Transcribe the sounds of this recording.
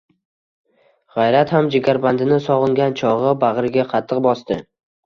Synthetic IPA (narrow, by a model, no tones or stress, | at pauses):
ʁɑjɾat̪hamd͡ʒɪɡʲaɾband̪ɪnɪsɒʁɨŋɡʲant͡ʃʰɒʁɨbaʁɾɪɡʲaqʰɑt̪ʰːɨqbɒst̪ɪ